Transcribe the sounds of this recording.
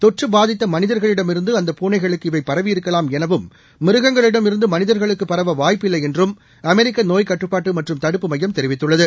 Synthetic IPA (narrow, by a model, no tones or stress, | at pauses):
t̪ɔʈrɯbaːðɪt̪ːɐmɐnɪðɐɾɣɐɭɪɽɐmɪɾɯnd̪ɯɐnd̪ɐpuːnɐɪɣɐɭɯkːɯɪʋɐɪpːɐɾɐʋɪjɪɾɯkːɐlaːmɛnɐʋɯmː | ɪɾɯɣɐŋɡɐɭɪɽɐmɪɾɯnd̪ɯmɐnɪðɐɾɣɐɭɯkːɯpːɐɾɐʋɐʋaːjpːɪlːɐɪɛndrɯm | ɐmɛɾɪkːɐnoːjkɐʈrɯpːaːʈːɯmɐʈrɯmt̪ɐɽɯpːɯmɐjːɐmt̪ɛɾɪʋɪt̪ːɯɭːɐðɯ